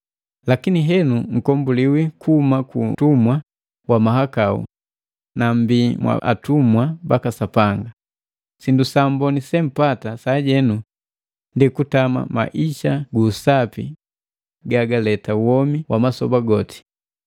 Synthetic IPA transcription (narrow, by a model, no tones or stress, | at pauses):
lakiniɦɛnuŋ̩kɔmbuliwikuhːmakṵtumwa | wamaɦakaṵ | nam̩bimwa̰ʔa̰tumwabakasapaŋɡa | sindusambɔnisɛm̩patasaɟɛnu | ndikutama̰ma̰ʔiʃaɡuːsapḭ | ɡaɡalɛtawɔmiwʔamasɔbaɡɔti̥